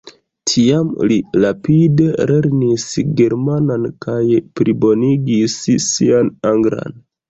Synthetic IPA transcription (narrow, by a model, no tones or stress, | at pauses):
tʰiamlilapide̞le̞ɾnisɡe̞ɾmanankajpɾibo̞niɡisːianaŋɡɾa̰n